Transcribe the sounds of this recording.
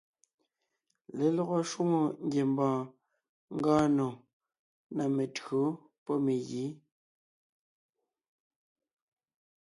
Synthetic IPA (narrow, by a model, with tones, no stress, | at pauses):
le˨lɔ˦ɣo˦ʃwu˦ŋo˨ŋ˦ɡje˨mbɔ̃ː˨ | ŋ̩˦ɡaː˦no˨ | na˨me˨tɣo˨˦ | pɔ˦me˨ɣiː˨˦